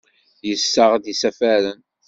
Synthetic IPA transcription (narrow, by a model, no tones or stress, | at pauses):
jəsːəʁd̪isæfæɾən